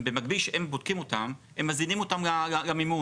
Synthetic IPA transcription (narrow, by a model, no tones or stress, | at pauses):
bemaɡbilʃeembod̥̪̚kimo̞t̪am | emːazinimot̪amaaɡamimu